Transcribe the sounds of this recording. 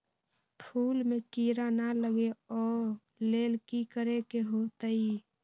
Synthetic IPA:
pʰuːlmekiɾanaləɡeɔːɾ | leːlkikəɾekeɦot̪əi

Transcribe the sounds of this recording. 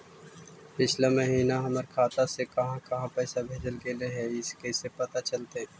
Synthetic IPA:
pɪt͡ʃʰlamɐɦiːnaɦɐməɾkʰaːt̪asekɐɦãkɐɦãpɛːsabʱeːd͡ʒəlkeleɦɛɪskeːsepɐt̪at͡ʃɐlt̪eɦɛ̃ː

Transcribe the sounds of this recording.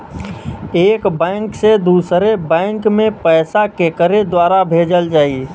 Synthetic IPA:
eːkbɛ̃ŋksed̪uːsɾebɛ̃ɪŋkmẽpɛːsakekəɾed̪waːɾabʱeːd͡ʒəld͡ʒaːi

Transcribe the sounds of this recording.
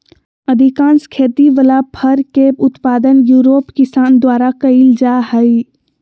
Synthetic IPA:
ɐd̪ʱɪkãːnskʰeːt̪iʋəlapʰɐɾkeʊt̪paːd̪ənjuːɾoːpkɪsaːnd̪waːɾakɐɪld͡ʒaːhəi

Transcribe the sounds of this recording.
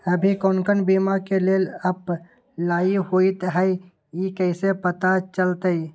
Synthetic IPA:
əbʱikonkənbimakeleləp | laːihoit̪ɦəi | jikəɪsepət̪at͡ʃəlt̪əi

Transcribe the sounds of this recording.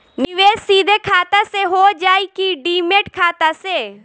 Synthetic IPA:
nɪʋeːssiːd̪ʱekʰaːt̪aseɦoːd͡ʒaːikiɖiːmeːʈkʰaːt̪aseː

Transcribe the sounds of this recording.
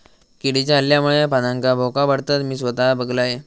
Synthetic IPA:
kiɽit͡ɕjaəljamuɭepanaŋkabʱokabaɽt̪at̪miːsʋət̪abəɡlaje

